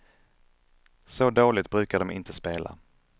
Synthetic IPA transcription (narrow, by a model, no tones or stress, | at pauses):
sɔd̪oːlɪt̪̚bɾʉ̟ːkaɖɔmɪ̰nt̪ʰəspeːlʔa̰